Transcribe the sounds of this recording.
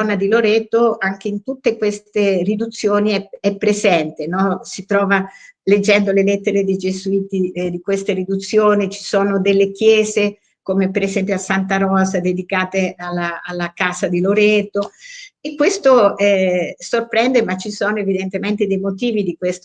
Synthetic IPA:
ɔnːad̪iloɾɛːt̪oaŋk̟eint̪ut̪ːekwest̪erid̪ut̪sːjoːniɛɛpːɾezɛnt̪enɔsit̪ɾɔːvaled͡ʒːɛnd̪olelɛt̪ːeɾed̪ejd͡ʒezuiːt̪id̪ikwest̪eɾid̪ut̪sːjoːnit͡ʃi̥soːnod̪elːek̟jɛːze | komepeɾezɛmpjoasant̪aɾɔzad̪ed̪ikaːt̪ealːaalːakaːzad̪iloɾɛt̪oekːwest̪oɛsorpɾɛnd̪emat͡ʃːisoːnoevid̪ent̪ement̪ed̪ejmot̪iːvid̪ikwest̪o

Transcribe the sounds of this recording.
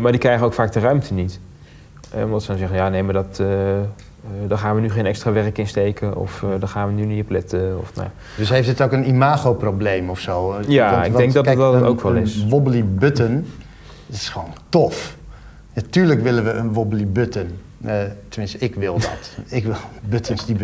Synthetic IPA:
maːɹdikrɛjχənowkfaːk̚dərœɥmtʰənit | ɛ̰ɔndɑtsədɔnzɛχənjaːnejmədɔt | daχaːnʋənyχejnɛkstraːʋɛrkɪnstejkəɔ̰fdɔχaːnʋənyniəplɪtəɔ̰fna̰ja | dəsɦejftdɪtokənimaːχowproblejmɔfsowjaɪɡdɛŋɡ̚dɔtktdɔto̰wkʋɛlˠɪsʋɔbəlibøtən | tɪ̥sχəʋoːntɔf | natyːɹləkʋɪlənʋəʔənʋɔbəlibøtən | ətəmɪnstəɪkʋɪlˠdɔ̰tɪkʋɪlˠbøtʰənsdib

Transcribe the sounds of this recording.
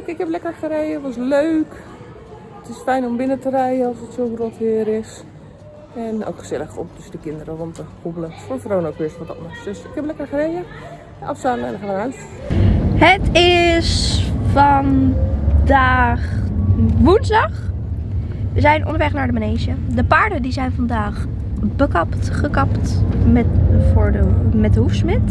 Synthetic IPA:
kɪkɛblɛkərxəɾeːəʋɔs̬løːk | ətɪsfɛjnɔmbɪnətərɛjəɔlˠsətsoɡrotʋɪəɾɪs | ɛno̰wkxə̥sɛlˠəxɔ̰ptʰøsdəkɪndəɾəʋɔntəkobələfofroːnokʋɪsfɔdɔtmɔxd̥øsɪkhɛblɛkərxərejə | ʔɔfsaːmɛ̰nəxəʋaɾans | ɦətɪsfɑn | daːχ | ʋunzdɑχ | əzɛjnʔɔ̰ndəɹʋɛχnaːɹdəmanejʒə | dəpaːɹdədizɛjnvɑndaːχ | bəkɑptχəkɑptmɛvʊːɹdəmɛt̚dəɦufsmɪt

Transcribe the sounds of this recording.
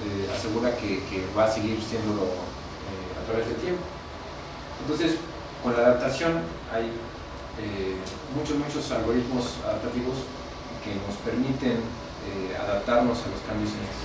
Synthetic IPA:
ea̰se̞ɣuɾakekeβaseɣiɾsje̞nd̪o̞lo | e | a̰t̪ɾaβe̞zðelt̪je̞mpo̥ | ent̪o̞nse̞s | ko̞nlaːðap̚t̪asjo̞n | aj | e | mut͡ʃosmut͡ʃo̞salɣo̞ɾit̪mo̞sa̰ðap̚t̪at̪iβo̞s | ke̞no̞spe̞ɾmit̪e̞n | ea̰ðap̚t̪aɾno̞salo̞skambjosene̥

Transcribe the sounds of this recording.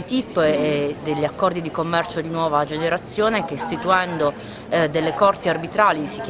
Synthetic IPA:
t̪ipːd̪eʎːiakːɔrd̪id̪ikomːɛrt͡ʃod̪inwɔːvad͡ʒeneɾat̪sːjoːnekest̪it̪uɛnd̪o | d̪elːekɔrt̪iarbit̪ɾaːlisik

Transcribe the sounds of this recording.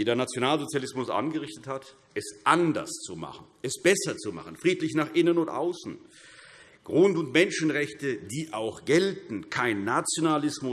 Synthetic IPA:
eːdeːɐnat͡sjonaːlzot͡sjalɪsmʊsʔa̰nɡəʁɪçtəthat | ʔɛsʔandɐ̰st͡suma̰χn̩ʔɛsb̥ɛsɐt͡suma̰χən̩fʁ̥iːtlɪçnaːχʔɪnənʊntʔa̰ʊsn̩ | ɡ̥ʁʊntʊntmɛnʃn̩ʁɛçtədiːʔaʊxɡ̥ɛltn̩kʰaɪnːat͡sjonalɪsmʊ

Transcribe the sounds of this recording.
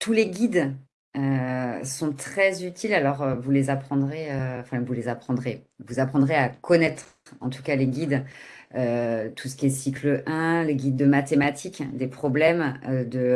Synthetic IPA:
t̪ʰuleɡʲid̪ | øsɔ̃t̪χɛzyt̪ʰilalɔʁøvulezapχɑ̃d̪ʁeø̃fɛ̃vulezapχɑ̃d̪ʁevuzapχɑ̃d̪ʁeakʰɔnɛt̪χ | ɑ̰̃t̪u̥kaleɡʲid̪øt̪u̥sə̥kʲiɛsikləʔɛ̃leɡʲid̪ːəmat̪emat̪ʰikd̪epχɔblɛmød̪ə

